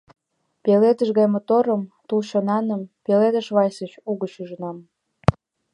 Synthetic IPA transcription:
peled̪ə̆ʃɣɑjmot̪oɾə̆mt̪ulʃŏnɑnə̆mpeled̪ə̆ʃβɑjsət͡ɕuɣə̆ɕyʒənɑm

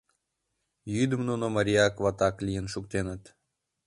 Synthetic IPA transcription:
jyd̪ɨ̆mnonomaɾʲiakʋat̪aklʲijənʃukt̪enət̪

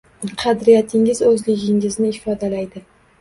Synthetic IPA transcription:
qʰɑd̪ɾijat̪ʰɪŋɪzɵzlɪɡʲɪŋɪznɪɪfɒd̪alajd̪ɪ

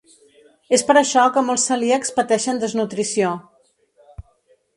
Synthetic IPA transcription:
espəɾəʃɔkəmolˠsəliəkspət̪ɛʃənd̪əznut̪ɾisio

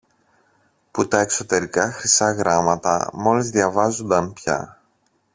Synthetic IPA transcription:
put̪ɐe̞kso̞t̪e̞ɾikɐxɾisɐɣɾɐmɐt̪ɐ̰mo̞lizðʝɐvɐzond̪ɐnpçɐ̰

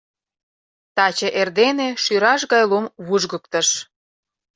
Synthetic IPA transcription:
t̪ɑt͡ɕĕʔerd̪eneʃyɾɑʃɣɑjlumβuʒɣə̆kt̪əʃ

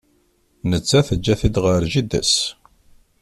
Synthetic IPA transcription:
nət͡sːæθəd͡ʒːæθid̪ʁəɾʒid̪æ̰s

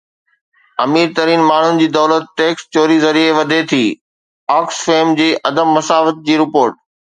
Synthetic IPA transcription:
ɐmiːɾt̪ɐɾiːnmaːɳ̤ʊnɪ̆d͡ʑiːd̪ɔːlət̪̚ːeːkst͡ɕoːɾizɐɾieʋɐd̪ʱet̪ʰiː | ɔːksfeːmd͡ʑiːʔɐd̪əmːɐsaːʋət̪̚d͡ʑiːɾɪpoːɾʈ̚

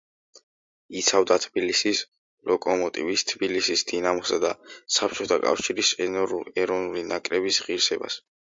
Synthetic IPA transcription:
it̪sʰavd̪at̪ʰbilisis | lɔkʼɔmɔt̪ʼḭvist̪ʰbilisisd̪̥inamɔsad̪asap̚ʰt͡ʃʰɔt̪ʰakʼa̰fʃiɾisɛnɔɾulɛɾɔvnulinakʼɾɛbisʁiɾsɛba̰s

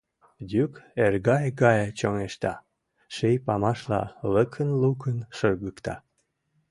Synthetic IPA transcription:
d̪ʲykerɣɑjɡɑjt͡ɕoŋeʃt̪ɑ | ʃejpɑmɑʃlɑ̰ləkʰənlukənʃərɣəkt̪ɑ̰

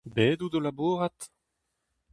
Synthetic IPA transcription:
beːd̪udolaboːʁat̪

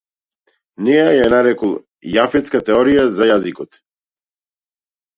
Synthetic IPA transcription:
nɛjajanaɾɛkɔlˠ | jafɛt̪skat̪ɛɔɾijazajazikɔt̪

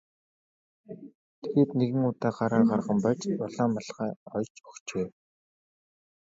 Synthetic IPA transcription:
t̪ʰeɣeːt̪neɣɘ̆ŋʊt̪aːɢaɾaːɢarʁə̆mpat͡ɕpɔɮaːmaɮʁæːɔt͡ɕpɔ̥xt͡ɕeː

